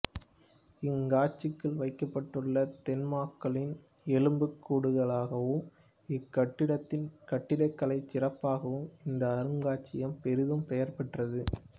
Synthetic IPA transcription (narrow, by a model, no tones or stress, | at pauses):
ɪŋɡaːt͡ʃːɪkːɯɭʋɐɪkːɐpːɐʈːɯɭːɐt̪ɛnmaːkːɐɭɪn | ɛlɯmbɯkːuːɽɯɣɐɭaːɣɐʋɯm | ɪkːɐʈːɪɽɐt̪ːɪnkɐʈːɪɽɐɪkːɐɭɐɪt͡ʃːɪrɐpːaːɣɐʋɯmɪnd̪ɐːɾɯŋɡaːt͡ʃːɪjɐmpɛɾɪðɯmpɛjɐɾpɛʈrɐðɯ